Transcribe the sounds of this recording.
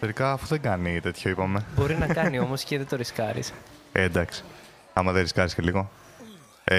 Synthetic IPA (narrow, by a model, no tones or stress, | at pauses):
teɾikɐːfuðeŋɡɐnit̪e̞t̪ʰçoipɐme̞bo̞ɾinɐkɐnio̞mo̞sceðet̪o̞ɾiskɐɾḭs | end̪ɐksi̥ | ɐmɐðeɾiskɐɾisceliɣo̞ | e